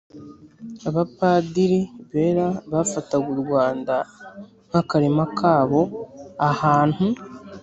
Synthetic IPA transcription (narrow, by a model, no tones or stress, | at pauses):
aβapaːdiɾiβeːɾaβafataɡuɾɡwaːnda | ŋ̥hakaɾimakʰaːβo̞ahaːn̥hu